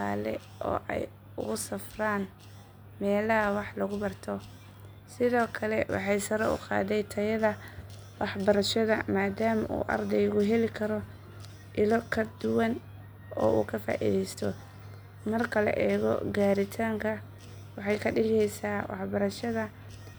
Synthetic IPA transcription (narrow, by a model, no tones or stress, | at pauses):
a̰ːlɛ̰ | ʔɔ̰ːʔɛ̰j | ʊ̰ɣʊsɐfraːn | mɛːlɐɦɐwɑħlɐɣʊbɐrt̪ʰɔ | sɪðɔːkʰɐlɛwɑ̰ħɑjsɐɾɔʊ̰qɑ̰ːðɛjt̪ʰɐjɐðɐ | wɑħbɐɾɐʃɐðɐ̰maːd̪aːmɐʔṵːʔɐ̰rd̪ɛjɣʊɦɛlɪkʰɐɾɔ | ʔɪlɔkʰɐd̪ʊwɐn | ɔ̰ːṵːkʰɐfa̰ːʔɪ̰ðɛjst̪ʰɔ | mɐrkʰɐlɐ̰ʔɛːɣɔ̰ɡaːɾɪt̪ʰaːŋkʰɐ | wɑħɑjkʰɐɖɪlɛjsaːwɑ̰ħbɐɾɐʃɐðɐ